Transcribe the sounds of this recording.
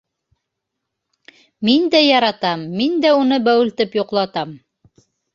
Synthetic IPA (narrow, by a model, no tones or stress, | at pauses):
mind̪æjɑɾɑt̪ɑmːind̪æunɤbæwɘ̆lt̪ɘpjoqlˠɑt̪ɑm